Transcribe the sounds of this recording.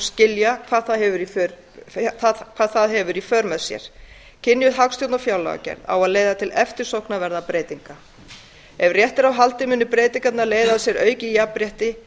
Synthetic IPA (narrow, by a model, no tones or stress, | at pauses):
scɪljakʰvaːðθaðhɛvʏɾifœɾ | θaðkʰv̥aːðθaðɦɛvʏɾifœɾmɛðsjɛ̰ɾ̥ | cʰɪnːjʏðɦakst̪ʰjowt̪nɔfjaːwla̰ɣa̰cɛ̰ɾða̰waðleːjðat̪ʰɪlɛft̪ɪɾ̥sowhknavɛɾðapɾeːjt̪iŋka | ɛvrjɛht̪ɪɾawɦalt̪ɪmʏnːʏpɾeːjt̪iŋkat̪naleːjðaðsjɛɾœːɥcɪijapɾjɛht̪ɪ